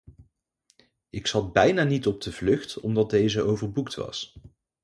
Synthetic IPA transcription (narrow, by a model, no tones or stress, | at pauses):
ɪksɑd̚bɛjnaːnitɔb̚dəvlɵχtɔ̰mdɑd̚dejzəʔowvəɹbuktʋɑ̰s